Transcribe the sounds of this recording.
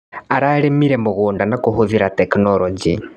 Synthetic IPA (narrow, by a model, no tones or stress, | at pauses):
aɾaɾemiɾemuɣuːndanakuɦuðiɾateknoɾoɟḭ